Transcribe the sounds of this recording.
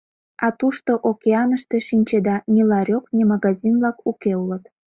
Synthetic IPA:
ɑt̪uʃt̪oʔokʲeɑnəʃt̪eʃinʲt͡ɕed̪ɑnʲilɑɾʲoknʲimɑɣɑzʲinβlɑkukeulət̪

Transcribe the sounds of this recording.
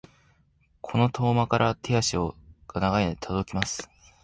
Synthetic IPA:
kʰo̞no̞t̪ʰo̞ːmakaɾʔat̪ʰe̞aɕioɡ̥anaɡaet̪ʰod̪o̞kʲimasɨ̥

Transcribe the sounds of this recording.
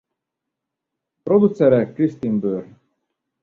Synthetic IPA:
pɾod̪usɛɾɛkɾist̪imbøɾ

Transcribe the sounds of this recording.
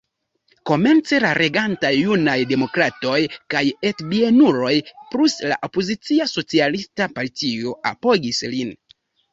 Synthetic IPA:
ko̞me̞nt͡se̞laɾʔe̞ɡantajːunajde̞mo̞kɾato̞jkajetbienuɾo̞jplusla̰ʔo̞pozit͡siaso̞t͡sialistapaɾtio̞a̰po̞ɡislin

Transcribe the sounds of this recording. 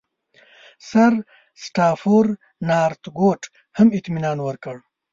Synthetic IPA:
saɾ | sʈɑːfoɾ | nɑːɾt̪ɡoːʈ | hamɪt̪minɑːnwəɾkəɽ

